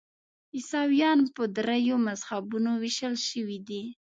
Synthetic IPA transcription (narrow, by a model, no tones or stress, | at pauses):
ɪsɑwijɑnpəd̪ɾajomazhabunowiʃəlʃəwid̪i